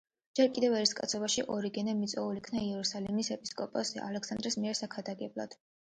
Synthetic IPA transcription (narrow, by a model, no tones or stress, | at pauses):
d͡ʒɛɾkʼid̪ɛvɛɾiskʼa̰t̪sʰɔbaʃiʔɔɾiɡɛnɛmit̪sʼɔulikʰnaiɛɾusalɛmisɛpʼi̥skʼɔpʼɔzɛ̰a̰lɛksand̪ɾismiɛɾsakʰad̪aɡɛblˠa̰d̪̥